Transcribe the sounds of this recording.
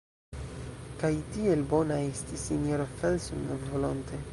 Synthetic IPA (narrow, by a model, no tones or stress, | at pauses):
kajtie̞lbo̞naestisinjoɾofelsunvolonte